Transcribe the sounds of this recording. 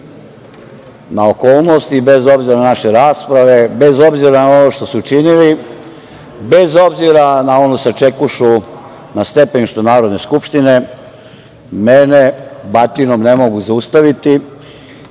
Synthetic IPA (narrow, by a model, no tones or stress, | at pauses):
naokoːlˠno̞st̪ibezo̞bziɾananaʃe̞ɾaːspɾaʋe̞bezo̞bziɾanao̞noʃt̪o̞suːt͡ʃinili | be̞zo̞bziɾanao̞nusat͡ʃekuʃu | nast̪e̞penʃt̪onaːɾo̞d̪ne̞skupʃt̪ine̞ | menebat̪inomne̞mo̞ɡuzaust̪aʋit̪i